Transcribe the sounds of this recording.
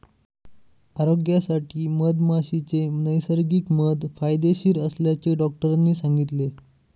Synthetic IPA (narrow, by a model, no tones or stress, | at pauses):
aɾoɡjasaʈʰiːməd̪maɕit͡senəjsəɾɡiːkməd̪fajd̪eɕiːɾəsljat͡seɖɔk̚ʈəɾanːiːsaŋɡit̪le